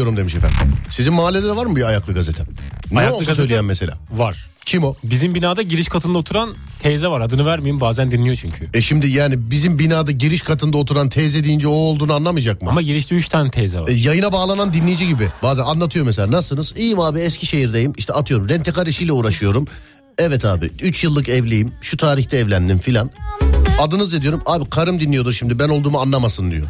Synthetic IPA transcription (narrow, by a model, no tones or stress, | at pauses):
o̞ɾumd̪emiʃefæ̰ɾsizinmaalʲːelʲɛd̪ɛvaɾmɯbiajaklˠɯɡazet̪ʰɛnɛolusø̞jlʲejæmːese̞lʲa̰ːvaɾ̥ | cʰimobizimbinaːd̪aɟiɾiʃkʰat̪ʰɯnd̪aot̪ʰuɾan | t̪ʰɛzɛvaɾad̪ɯnɯvæɾmijimbaːzænd̪inʲijo̞t͡ʃʰyɲcʰyɛʃimd̪ijaːnibizimbinaːd̪aɟiɾiʃkʰat̪ʰɯnd̪aot̪ʰuɾant̪ʰɛzed̪ijind͡ʒɛoːlˠd̪uːnuanlˠamɯd͡ʒak̚mɯamaɟiɾiʃlʲiyʃt̪ʰɛnt̪ʰɛzɛvaɛjajɯnabaːlˠanand̪inlːʲejid͡ʒiɟibɪbaːzɛnanlˠat̪ʰɯjo̞mɛs̬elʲaːnasɯnɯzijimaːbiɛscʰiʃe̞jiɾd̪ejimiʃt̪ʰɛat̪ʰɯjo̞ɾumɾɛnt̪ʰekaɾiʃijlʲɛuːɾaʃɯjo̞ɾum | ɛvɛt̪ʰa̰ːbḭyt͡ʃjɯlˠːɯkɛvlʲejimʃut̪ʰaːɾiçt̪ʰɛːvlʲænd̪infilʲanad̪ɯnɯzed̪ijo̞ɾumaːbikʰaɾɯmd̪inːʲijo̞d̪uɾʃimd̪ibæno̞lˠd̪uːmanlˠamasɯnd̪ḭjo̞̰